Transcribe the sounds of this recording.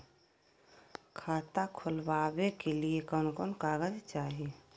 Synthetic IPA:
kʰaːt̪akʰʊlwaːwekeliekəːnkoːnkaːɡəd͡ʒt͡ʃaːɦie

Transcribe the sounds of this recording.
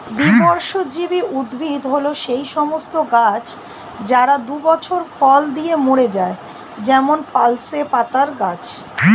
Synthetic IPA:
d̪ibɔɾʃod͡ʑibiud̪bʱid̪ɦoloʃejʃɔmost̪oɡat͡ɕ | d͡ʑaɾad̪ubɔt͡ɕʰoɾfɔld̪iemoɽed͡ʑae | d͡ʑɛmonpalsepat̪aɾɡat͡ɕ

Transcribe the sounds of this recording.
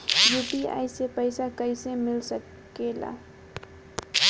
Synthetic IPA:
jupia̰jsepəɪsakəɪsemɪlsək | ela̰

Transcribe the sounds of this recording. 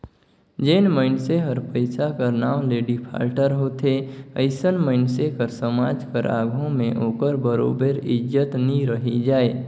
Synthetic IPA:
d͡ʒəɪnməɪnseɦəɾpəɪsakəɾnaːmleːɖipʰa̰ːɾʈəɾɦoːt̪ʰeə̰ɪsənməɪnsekəɾsəmaːd͡ʒkəɾʔa̰ːɡʱõmẽʔoːkəɾbəɾo̰ːbəɾɪd͡ʒət̪niɾəɦid͡ʒaːe

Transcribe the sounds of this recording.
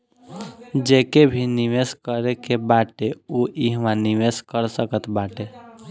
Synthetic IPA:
d͡ʒekebʱiniʋeskəɾekebaʈeuʔiɦmãniʋeskəɾsəkət̪baʈe

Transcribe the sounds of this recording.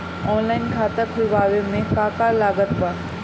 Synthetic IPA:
ɔːnlaːɪnkʰaːt̪əkʰʊlʋaːʋemẽkaːkalaːɡət̪pɐ

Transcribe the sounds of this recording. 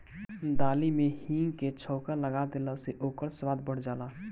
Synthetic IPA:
d̪aːlimẽhiːŋket͡ʃʰɔːkaləɡaːd̪elaseʔoːkəɾswaːd̪bəɽd͡ʒaːlaː

